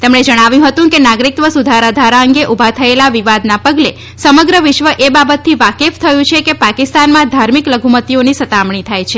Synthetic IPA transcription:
t̪emɳed͡ʒəɽ̃aʋjũɦət̪ũkenaɡɾik̚t̪ʋəsud̪ʱaɾad̪ʱaɾaəŋɡeʔubʱat̪ʰəelaʋiʋad̪napəɡle | səməɡɾəʋɪʃʋəʔebabət̪ːiʋakeft̪ʰəjũt͡ʃʰekepakist̪anmãd̪ʱaɾmikləɡʱumət̪ionisət̪amɳit̪ʰajt͡ʃʰe

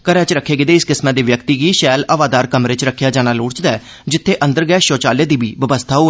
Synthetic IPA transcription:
kəɾɛ̃ːt͡ʃɾəkʰːeːɡɪd̪eːɪskɪsmaːd̪iːʋjəkt̪iːɡiːʃɛːləʋaːd̪aːɾkəmɾeːt͡ʃɾəkʰːɪjaːd͡ʒaːñaːlʊːɽt͡ʃd̪aɛː | d͡ʒɪt̪ʰːeːʔə̃nd̪əɾɡɛːʃoːt͡ʃaːleːd̪iːbiːʋəbəst̪ʰaːuː

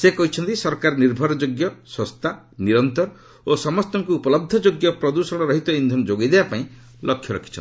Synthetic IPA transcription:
sekɔɦit͡ʃʰɔnt̪isɔɾkaɾniɾbʱɔɾɔd͡ʒoɡjɔswɔst̪ʰa | niɾɔnt̪ɔɾɔ | osɔmɔst̪ɔŋkuːpɔlɔb̚d̪ʱɔd͡ʒoɡjɔpɾɔd̪usɔɽ̃ɔɾɔɦit̪ɔind̪ʱɔnɔd͡ʒoɡijd̪ebapaĩ | lʔɔkʰjɔɾɔ̰kʰi̥t͡ʃʰɔni

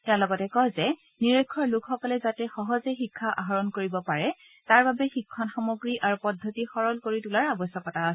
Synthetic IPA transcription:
talɔɡɔtɛkɔjzɛ | niɹekʰːɔɹlʊkxɔkɔlɛzatɛxɔɦɔzɛxikʰːaʔaɦɔɹɔnkoɹibɔpaɹɛ | taɹbabɛxikʰːɔnxamoɡɹiʔaɹupɔdʱːɔtixɔɹɔlkoɹitulaɹabɔsjɔkɔtaːsɛ

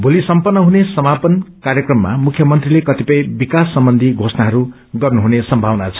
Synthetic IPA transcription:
bʱulisʌmpʌrnːʌɦunesʌmapʌnkarjʌkrʌmːa̰mukʰjʌmʌnt̪rilekʌt̪ipʌjbikasːʌmbʌnd̪ʱiɡʱosnaɦʌɾu | ɡʌrnuɦunesʌmbʱawnat͡sʰʌ̥

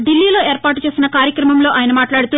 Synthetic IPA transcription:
ɖilːiːlo̞ːe̞ːɾpaːʈut͡ʃe̞ːsinɐkaːɾjɐkɾɐmɐmlo̞ːʔaːjɐnɐmaːʈlaːɽut̪uː

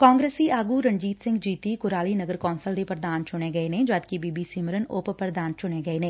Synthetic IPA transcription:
kãːŋɡɾeːsiʔaːɡuɾɐ̃ɲd͡ʒiːt̪sɪ̃ŋɡd͡ʒiːt̪ikʊɾaːlinɐɡəɾkɔːnsəld̪epɾəd̪aːnt͡ʃʊneɡɐenẽd͡ʒaːd̪̚kibiːbisiməɾənoːppɾɾəd̪aːnt͡ʃʊneɡɐenẽː

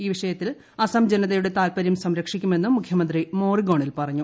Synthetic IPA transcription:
iːʋiʂɐjɐt̪ːil | ɐsɐmd͡ʑenɐðɐjuɽe̞t̪aːlpɐɾjumsɐmɾɐkʂikʲːume̞nːumːukʰjɐmɐnd̪rimo̞ːriɡo̞ːɳilpɐrɐɲːu

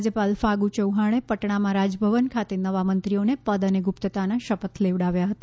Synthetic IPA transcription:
d͡ʒəpalfaɡut͡ʃəwɦaɽ̃epəʈɳ̃amãɾad͡ʒəbʱəʋənkʰat̪enəʋamənt̪ɾionepəd̪əneɡupt̪ət̪anaʃəpət̪ʰleʋɽaʋjaɦət̪a

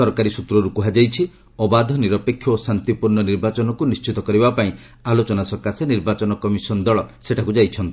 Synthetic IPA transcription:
ɔɾkaɾisut̪ɾɔɾukuɦad͡ʒajt͡ʃʰi | ɔbad̪ʱɔniɾɔpekʰːjɔosant̪ipuɾnɔniɾbat͡ʃɔnɔkunist͡ʃit̪ɔkɔɾibapaĩ | alot͡ʃɔnasɔkaseniɾbat͡ʃɔnɔkɔmisɔnd̪ɔɭɔseʈʰakud͡ʒajt͡ʃʰɔnt̪i

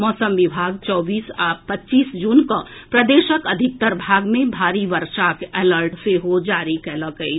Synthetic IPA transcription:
mɔːsəmʋɪbʱaːɡt͡ʃɔːbiːsaːpətːt͡ʃiːsd͡ʒuːnkapɾəd̪eːʃəkəd̪ʱɪk̚t̪əɾbʱaːɡmẽbʱaːɾiʋəɾʃakɛːləɾʈseɦod͡ʒaːɾikɛləkəi

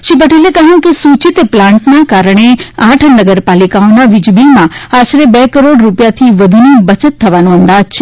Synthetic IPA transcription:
ʃipəʈelekəɦjũkesut͡ʃit̪plãɳʈnakaɾɽ̃eãʈʰənəɡəɾpalikaonaʋɪd͡ʒbinmãaʃɾebɛkəɾoɽɾupjat̪ʰiʋəd̪ʱunibət͡ʃət̪ʰːəʋanõənd̪ad͡ʒt͡ʃʰe

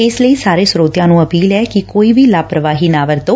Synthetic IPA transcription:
eːsləiːsaːɾeːsɾoːt̪jãːnũːəpiːlɛːkikoːiːʋiːlaːpɾəʋaːɦiːnaːʋəɾt̪oː

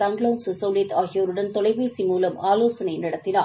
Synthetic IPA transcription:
ɐŋɡloːnssɐʊlit̪aːɣɪjoːɾɯɽɐnt̪ɔlɐɪʋeːsimuːlɐmaːloːsɐnɐɪnɪɽɐt̪ːɪna̰ː

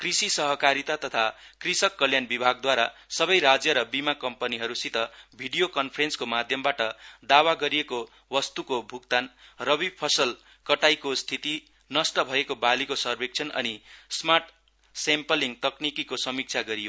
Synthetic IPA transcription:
krisisʌɦʌkaɾit̪at̪ʌt̪ʰa | krisʌkːʌljanbibʱaɡd̪waɾasʌbʌjɾad͡zjʌɾʌbimakʌmpʌniɦʌɾusit̪ʌbʱiɖijokʌnpʰʌɾenskomad̪ʱjʌmbaʈʌd̪awaɡʌɾijeko | wʌst̪ukobʱukt̪anrʌbib̚pʰʌsʌl | kʌʈajkost̪ʰit̪i | nʌsʈʌbʱʌekobalikosʌrbʱek̚t͡sʰʌnʌ̰nismarʈ | sempʌliŋɡt̪ʌknikikosʌmik̚t͡sʰaɡʌɾijo

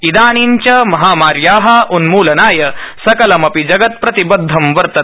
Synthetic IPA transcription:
id̪aːɳ̃iɲt͡ʃɐmɐɦaːmaːɾjaːɦɐʔunmuːlɐnaːjɐsɐkɐlɐmɐpid͡ʒɐɡɐt̪̚pɾɐt̪ibɐd̪ʱːɐmʋɐɾt̪ɐ

